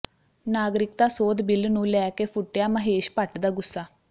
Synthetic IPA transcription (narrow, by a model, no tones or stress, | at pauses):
naːɡɾɪk̚d̪aːsoːd̪bɪlnũːlɛːkeːpʰʊʈːjaːməɦeːʃpəʈd̪aːɡʊsːaː